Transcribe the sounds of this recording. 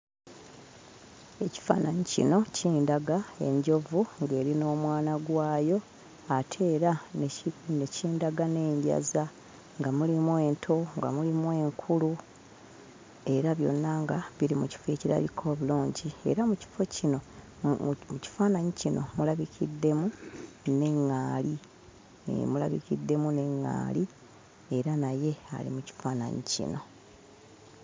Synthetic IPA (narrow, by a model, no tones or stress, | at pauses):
e̞ci̥fa̰ːnaɲicḭno̞cʰiːndaɡae̞̰ɲɟo̞vuŋɡe̞ːɾino̞ːmwaːnaɡwaːjo̞ | atʰe̞ːɾa | ne̞ciːndaɡane̞ːɲɟa̰za | ŋɡamulimwe̞ːntʰo̞ŋɡa̰mulimwe̞ːŋkʰulu | e̞ɾaβjo̞̰nːaŋɡaβilimuci̥feciɾa̰βikʰo̞ːβuluːɲɟie̞̰ɾamuci̥fo̞cino̞ | muci̥faːnaɲicinomulaβicʰidːe̞mune̞ŋːaːli | ḛmula̰βḭcidːe̞mune̞ŋːa̰ːli | e̞ɾanaje̞a̰lḭmuci̥faːna̰ɲicḭno̞̰